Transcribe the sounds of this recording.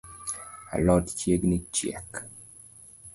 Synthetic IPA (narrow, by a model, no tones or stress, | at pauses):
a̰lɔtt͡ʃjeɡnit͡ʃjɛ̰k